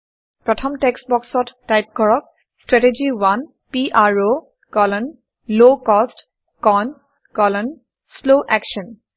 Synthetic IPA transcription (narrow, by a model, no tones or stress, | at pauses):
pɹɔtʰɔmtɛksbɔksɔtːajp̚kɔɹɔk̚ | stɹɛted͡ʒiwan | piʔaɹo | kɔlɔn | lokɔst | kɔn | kɔlɔn | sloʔɛkʃɔn